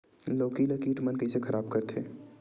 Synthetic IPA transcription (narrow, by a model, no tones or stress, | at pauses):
loːkilɐkiːʈmɐnkɐisekʰɐɾʔaːbkɐɾt̪ʰeː